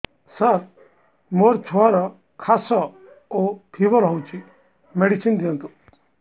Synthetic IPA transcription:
saɾ | moɾt͡ʃʰuaɾɔ | kʰasɔ | op̪ʰiʋəɾɦɔwt͡ʃi | meɽisind̪iə̃nt̪u

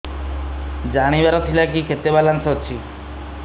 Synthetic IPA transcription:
d͡ʒaɽ̃ibaɾɔt̪ʰilak̬ikʰet̪ebalansɦɔt͡ʃʰi

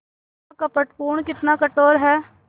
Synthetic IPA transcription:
akɐpəʈpuːɳkɪt̪nakəʈoːɾɦɛː

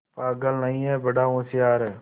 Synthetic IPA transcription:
paːɡəlnəĩːɛːbəɖaːõːsɪjaːɾɛː

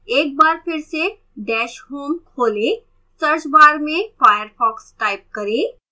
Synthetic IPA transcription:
eːk̚baːɾpʰɪɾse | ɖɛːʃɦoːmkʰoːle | səɾt͡ʃbaːɾmẽfaːjəɾpʰɔːksʈaːɪp̚kɐɾẽ

